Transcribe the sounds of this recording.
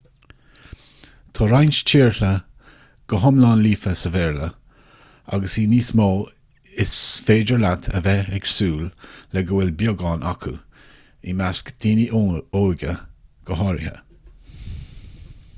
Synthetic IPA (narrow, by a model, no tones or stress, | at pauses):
t̪ʰɑːɾajnʃt͡ʃʰiːɹɬə | ɡ̥əɦɔmlɑːnliːfəsəvɛːɹlə | a̰ɡəsiːniːsmoː | ɪsfeːd͡ʒəɹlat̪ʰə̰vɛɛɡsuːllɛɡəwɛlbjɔɡɑːnʔakʰṵ | imaskd̥̪iːniʔoːɡəɡ̥əɦɔɾɪ̰hə̰